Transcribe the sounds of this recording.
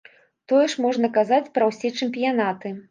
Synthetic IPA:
t̪ɔjɛʂmɔʐnɐkazat͡sʲpɾɐwsʲɛt͡ʂɨmpʲijanat̪ɨ

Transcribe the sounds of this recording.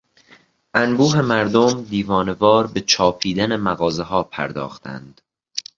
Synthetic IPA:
ʔænbuːɦe̞mæɾd̪omd̪iːvɒːne̞vɒːɾbe̞t͡ʃʰɒːpʰiːd̪æne̞mæɣɒːze̞ɦɒːpʰæ̰ɾd̪ɒ̰ːxt̪ʰæ̰nd̪̥

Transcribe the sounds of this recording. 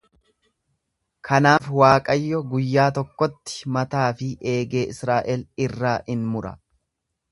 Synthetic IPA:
kʰɐnaːfwaːkʼɐjːɔɡʊjːaːt̪ɔkːɔt̪ːɪ̥mɐt̪aːfɪʔe̞ːɡe̞ːɪsɾaːʔɛlɪrːaːʔɪnmʊɾɐ̰

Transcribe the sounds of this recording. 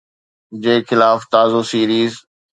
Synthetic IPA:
d͡ʑeːxɪlaːft̪aːzosiːɾiːz

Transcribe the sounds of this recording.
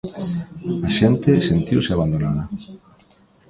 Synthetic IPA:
aʃɛnt̪ɪsent̪iwsɪaβ̞and̪onaðɐ

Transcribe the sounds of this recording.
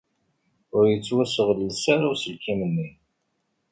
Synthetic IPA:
ʊɾjət͡sːwæsəʁləsaɾasəlkimənːi

